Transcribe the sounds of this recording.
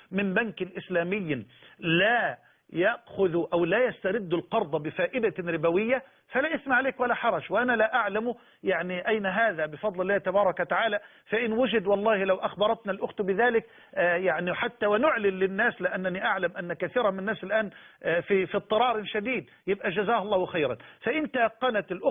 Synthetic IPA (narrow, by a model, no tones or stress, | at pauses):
mɪmbankɪʔɪslæːmɪjːlaː | jaʔxʊðʔæwlæːjast̪aɾɪd̪ːʊlqɑɾˤd̪ˤɑbɪfaːʔɪd̪aɾɪbawɪjːa | falaːʔɪθmaʕleːkwalaħɑɾˤɑʃwɪʔanalaʔaʕlamu | jaʕniʔajnaɦaːðæbɪfɑd̪ˤlɪlːaːht̪abɑːɾˤɑkwat̪aʕaːla | faʔɪnwʊd͡ʒɪd̪wɑlˤːɑːhɪlawʔaxbɑɾˤɑt̪nalʔʊxt̪bɪðaːlɪkː | jaʕniħat̪ːawɪnʊʕlɪnlɪnːaːslɪʔanːaniʔaʕlamʔanːkaθiːɾɑnmɪnːaːsɪlʔaːnfifit̪ˤːɨɾˤɑːɾɪʃad̪iːd̪ | jɪbʔæd͡ʒazaːhɑlˤːɑːhwɪxajɾa̰nfaʔɪnt̪ajqːɑnat̪ɪlʔʊ